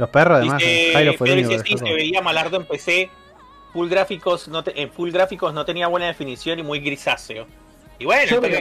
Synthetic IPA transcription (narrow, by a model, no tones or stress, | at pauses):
loperosaðemaseajɾofeoseiseβeiamalaɾðoempe̞se̞ | fulɡɾafiko̞snot̪eʔeɱfulɡɾafikosno̞t̪e̞niaβwe̞naðe̞finisjo̞nimujɣɾisaseo | iβwenope